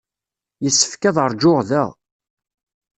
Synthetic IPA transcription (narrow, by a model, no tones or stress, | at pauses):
jəsːə̥fkæðˤəɾˤd͡ʒoʁðæʁ